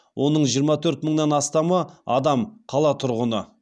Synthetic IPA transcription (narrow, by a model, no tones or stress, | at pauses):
wʔo̞nəɴʒijəɾmɑt̪ʰɵɾt̪məɴnɑnɑst̪ɑməɑ̰d̪ɑmqʰɑlˠɑt̪ʰʊɾʁənə